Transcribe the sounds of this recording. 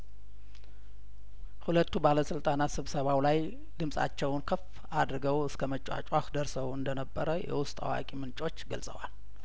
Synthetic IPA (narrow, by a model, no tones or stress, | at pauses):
hulət̪ːubaləsɨlt̪ʼanat̪sɨβsəβawlaj | d̪ɨmsʼa̰t͡ʃːɛwnkʰəf | ad̪ɾɨɡəwɨskʰəmət͡ʃʼa̰t͡ʃʼwaxd̪əɾsəwɨnd̪ənəbːəɾəjɛ̰wʊst̪ʼa̰wa̰kʼimɨnt͡ʃʼo̞t͡ʃːɡəlsʼəwa̰l